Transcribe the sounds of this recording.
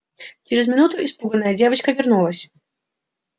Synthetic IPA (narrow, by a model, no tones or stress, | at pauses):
t͡ɕɪɾʲɪzmʲɪnut̪ʊɪspuɡənːəjədʲevət͡ɕkəvʲɪrnulˠəsʲ